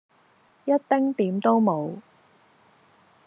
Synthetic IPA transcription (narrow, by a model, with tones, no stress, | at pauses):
jɐ˥t̚t̪ɪ˥ŋt̪iː˨˥mt̪o˥wmo˨˧w